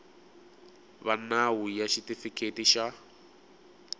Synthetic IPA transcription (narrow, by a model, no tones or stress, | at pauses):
βanawujaʃitifikʰetiʃa